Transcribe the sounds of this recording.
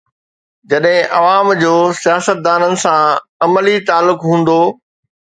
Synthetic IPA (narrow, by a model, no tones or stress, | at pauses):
d͡ʑɐɗɦɪ̃ʔɐʋaːmd͡ʑoːsijaːsət̪̚d̪aːnənɪ̆sãɐməlit̪aːlːʊkɦũːnd̪oː